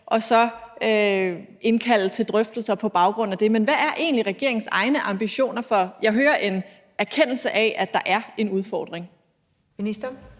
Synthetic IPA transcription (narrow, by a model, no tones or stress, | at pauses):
ʔɒ̽sɒ̽ø | e̝nkʰæl̰ət͡sʰe̝ld̥ʁœfd̥l̩sɐpʰɒ̽b̥ɑ̈ʊɡ̥ʁɔ̽n̰̩æd̥e̝menʋææɐʔe̝̰ːnliʁɛɡ̥e̝ɐ̰eŋn̩sɑ̈ɪnəʔɑ̈mb̥iɕo̝̰ːnɐfɒ̽jɑ̈ɪɦøːɐʔe̝n | æɐkʰen̰l̩səʔɛʔæd̥ɑ̈ʔæɐe̝nuð̞ˠfɒ̰ːd̥ʁeŋ | minisd̥ɐ